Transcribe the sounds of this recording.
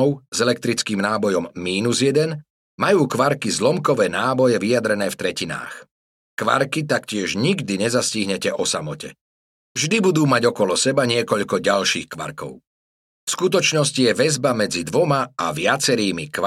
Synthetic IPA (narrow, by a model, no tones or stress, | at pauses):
ʊz̥ɛlɛk̚t̪ɾit͡skiːmnaːbɔjɔmːiːnuzjɛd̪ɛn | majuːkʋaɾkizlɔmkɔʋɛːnaːbɔjɛʋijad̪ɾɛnɛːft̪ɾɛcina̰ːx | kʋa̰ɾkit̪akcɪɛʒɲiɡd̪iɲɛzasciɦɲɛcɛʔɔsamɔcɛ̰ | vʒd̪ibud̪uːmaɟɔkɔlɔsɛbaɲɪɛkɔʎkɔɟalʃiːxkʋa̰ɾkɔ̰ʊ | fskut̪ɔt͡ʃnɔscijɛʋɛzbamɛd͡zid̪ʋɔmaaʋɪat͡sɛɾiːmikʋ